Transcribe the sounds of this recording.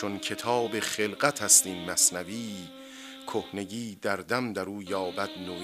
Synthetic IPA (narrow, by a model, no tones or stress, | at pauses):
oncʰe̞t̪ʰɒːbeχelɢæt̪ʰhæst̪iːnmæsnæviː | kʰohne̞ɡiːd̪æɾd̪æmd̪æɾuːjɒːbæd̪̥no